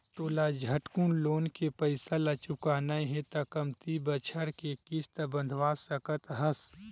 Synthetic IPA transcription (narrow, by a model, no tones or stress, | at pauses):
t̪oːlad͡ʒʱɐʈkunloːnkepɐɪsalat͡ʃʊkaːnajɦɛ̃t̪akɐmt̪ibət͡ʃʰəɾkekɪst̪əbɐ̃nd̪ʱʋaːsɐkət̪ɦɐs